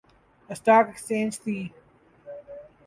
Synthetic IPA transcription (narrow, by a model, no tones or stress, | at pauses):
əsʈaːkekst͡ʃẽːnd͡ʒt̪ʰiː